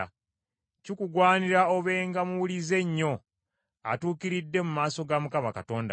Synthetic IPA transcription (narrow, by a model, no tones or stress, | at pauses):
cikuɡwaːniɾaoβe̞ːŋɡamuwulize̞ɲːo̞ | a̰tuːkiɾidːe̞mumaːso̞ɡamukamakato̞ːnda̰